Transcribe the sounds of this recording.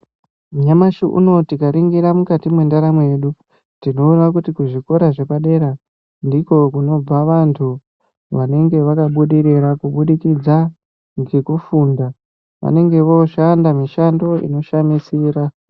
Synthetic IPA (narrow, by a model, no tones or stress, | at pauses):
mɲamaʃiʔṵno̞tikaɾiŋɡiɾamukatimwe̞ndaɾamweɗu | tino̞uʋak̬utikuʐiko̞ɾaʐe̞paɗe̞ɾa | ndiko̞kuno̞b͡vaʋantʰu | ʋane̞ŋɡe̞ʋakaɓuɗiɾiɾakuɓuɗikid͡za | ŋɡekufunda | ʋa̰ne̞ŋɡe̞ʋo̞ʃandamiʃando̞ḭno̞ʃamisiːɾa